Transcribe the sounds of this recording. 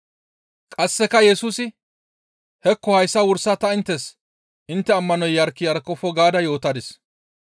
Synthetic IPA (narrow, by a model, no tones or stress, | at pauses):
kʼɐsːɛkɐjɛsuːsɪ | hɛkːɔhɐjsːɐwʊɾsɐt̪ɐɪnt̪ːɛs | ʔɪnt̪ːɛɐmːɐnɔjːɐɾkːɪjɐɾkːɔfɔɡaːd̪ɐjo̞ːt̪ɐd̪ɪs